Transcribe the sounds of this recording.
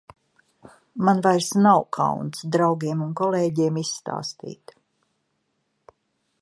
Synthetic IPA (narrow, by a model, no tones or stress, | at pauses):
manvajɾsnawkʰa̰wnt̪sd̪ɾawɡʲiɛmunkɔleːɟiɛmisːt̪a̰ːst̪ḭːt̪